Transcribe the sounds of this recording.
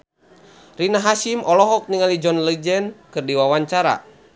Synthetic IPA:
rinaɦasimɔlɔɦɔk̚niŋalid͡ʒɔnləd͡ʒɛnkɨrdiwawaɲt͡ʃaɾa̰

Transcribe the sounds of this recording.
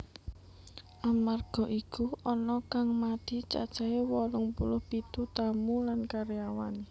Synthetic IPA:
ʔamarɡ̥ɔ̤ʔikuɔnɔkaŋmad̪̥i̤t͡ʃa̰d̥t͡ʃa̤ewɔlʊŋpṵlʊhb̥it̪ut̪amulankaɾijawa̰ne

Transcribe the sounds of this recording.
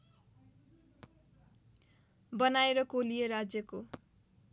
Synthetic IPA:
bʌnaeɾʌkolijeɾad͡zjʌko

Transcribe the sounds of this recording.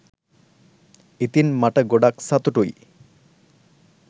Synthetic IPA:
it̪inmaʈəɡoɖaksat̪uʈuj

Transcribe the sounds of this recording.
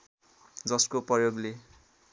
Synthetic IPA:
d͡zʌskoprʌjoɡle

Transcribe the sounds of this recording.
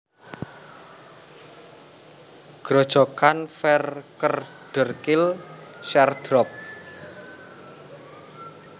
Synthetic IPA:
ɡ̥ɾɔd̥ʒ̥ɔkanfɛrkər | ɖ̥ə̤rkɪl | ʃɛrd̪̥ɾɔp̚

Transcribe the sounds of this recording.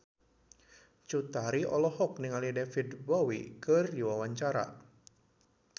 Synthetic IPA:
t͡ʃut̪aɾiʔɔlɔhɔk̚niŋalidɛfidbɔwikərdiwawaɲt͡ʃaɾa̰

